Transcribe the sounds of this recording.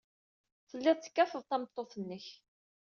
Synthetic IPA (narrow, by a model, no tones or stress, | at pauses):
θəlːɪðˤt͡sːə̥kːæfəðˤt̪ɑmət̪ˤːoθənːəç